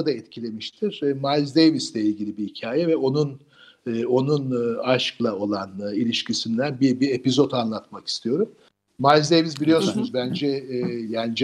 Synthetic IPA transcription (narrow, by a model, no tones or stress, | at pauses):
ad̪aɛt̪cʰilʲe̞miʃt̪ʰiɾ̥malzd̪ejvislʲɛilʲɟilʲibiɦicʰaːjɛvɛo̞nun | o̞nunaʃklˠao̞lˠanilʲiʃcisind̪ænbibie̞pizo̞t̪anlˠat̪maki̥st̪ʰijo̞ɾumː | alʲzd̪ejvisbilʲijo̞ɾsnunuzbænd͡ʒɛjaːnid͡ʒ